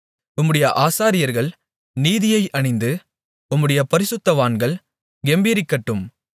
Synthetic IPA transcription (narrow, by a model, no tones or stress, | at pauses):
ʊmːɯɽɐjɐʔaːsaːɾɪjɐɾɣɐɭ | niːðɪjɐɪʔɐɳɪnd̪ɯ | ʊmːɯɽɐjɐpɐɾɪsɯt̪ːɐʋaːnɡɐɭ | ɡɛmbiːɾɪkːɐʈːɯm